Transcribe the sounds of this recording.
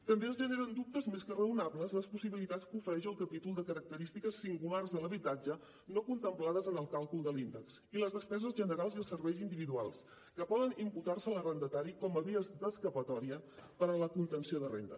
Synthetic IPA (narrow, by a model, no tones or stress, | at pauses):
t̪əmbeəzʒəneɾənd̪up̚t̪əzmeskərəunaβləzləspusiβilit̪att͡skufəɾɛʃəlˠkəpit̪ulˠd̪əkəɾək̚t̪əɾist̪ikəsːiŋɡularzðələβit̪ad͡ʒə | nokunt̪əmplaðəzənəlˠkalˠkulˠd̪əlind̪əksiləzðəspɛzəzʒənəɾalˠziəlˠsəɾβɛjzind̪iβiðualˠs | kəpɔðənimput̪arsəːlərənd̪ət̪aɾikɔməβiəzd̪əskəpət̪ɔɾiəpəɾələkunt̪ənsioðərḛnd̪ə̰